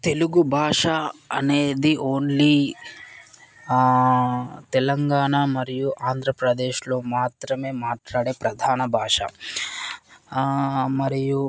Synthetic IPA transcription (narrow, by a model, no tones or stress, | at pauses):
t̪e̞luɡubʱaːʂɐɐ̰neːd̪iʔo̞ːnli | t̪ɛlɐŋɡaːɳamɐɾijuʔaːnd̪ʱɾɐpɾɐd̪eːʃloːmaːt̪ɾɐme̞ːmaːʈlaːɽeːpɾɐd̪ʱaːnɐbʱaːʂɐ̰ | mɐɾiju